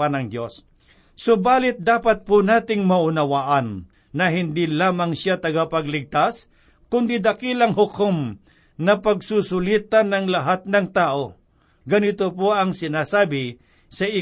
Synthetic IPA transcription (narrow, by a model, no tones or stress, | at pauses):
anɐŋd̪jos | sobaːlɪt̪̚d̪aːpɐt̪̚pʊnaːt̪ɪŋmɐʔʊnɐwaʔɐnː | ɐɦɪnd̪ilaːmɐŋʃjat̪ɐɡapɐɡlɪɡ̚t̪as | kʊnd̪id̪ɐkilɐŋhʊkʊm | nɐpɐɡ̚susʊliːt̪anɐŋlɐɦat̪̚nɐŋt̪aːʔo̞ | ɡɐnɪt̪opoʔɐŋsɪnaːsaːbɪ | sɐi